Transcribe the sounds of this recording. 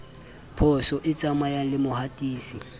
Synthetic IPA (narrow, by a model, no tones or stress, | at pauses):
pʰɔsɔʔɪt͡sʼamajalɪmʊhatʼiːsi